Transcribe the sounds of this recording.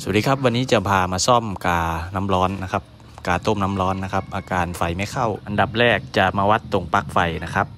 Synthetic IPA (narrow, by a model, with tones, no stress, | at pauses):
su˨˩˦diː˧˩kʰa˦˥p̚wa˧nːiː˦˥t͡ɕa˨˧˩pʰaː˧maː˧sɔ˥˩mkaː˨˧na˧˥mlɔː˦˥nːa˦˥kʰa˦˥p̚ | kaː˨˩t̪o˥˩˨mna˧˥mlɔː˦˥nːa˦˥kʰa˦˥p̚ʔaː˧kaː˨˧nfa˨˩jma˧˥˩jkʰa˥˩wʔa˨nda˨˩p̚ɾɛː˥˩k̚t͡ɕa˨˩maː˧wa˦˥t̪ːo˨˩ŋpa˦˥k̚fa˨˩jna˦˥kʰa˦˥p̚